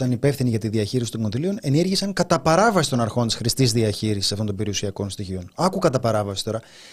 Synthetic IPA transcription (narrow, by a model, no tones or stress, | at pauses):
t̪ɐnipe̞fθiniʝɐt̪iðiɐçiɾisi̥t̪o̞ŋko̞nðilio̞ne̞niɾʝisɐŋkɐt̪ɐpɐɾɐvɐsist̪o̞nɐɾxo̞nt̪isxɾist̪izðiɐçiɾisi̥sɐft̪oo̞mbeɾiusiɐko̞nst̪içio̞nɐkukɐt̪ɐpɐɾɐvɐsi̥t̪o̞ɾɐ